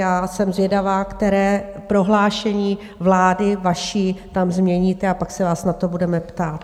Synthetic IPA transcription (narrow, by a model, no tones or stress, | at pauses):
jaːsɛmzvjɛdavaːkt̪ɛɾɛːpɾo̞ɦlaːʃɛɲiː | vlaːdɪvaʃiːt̪amzmɲɛɲiːt̪ɛapaksɛvaːsnat̪o̞budɛmɛpt̪aːt̪